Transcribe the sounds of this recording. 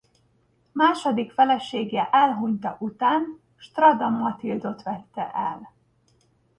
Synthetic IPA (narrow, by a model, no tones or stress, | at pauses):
maːʃod̪ikfɛlɛʃeːɡɛʔɛlɦuɲt̪ɒʔut̪aːn | ʃt̪rɒd̪ɒmːɒt̪ild̪o̞t̪ʋɛt̪ːɛ̰ʔɛl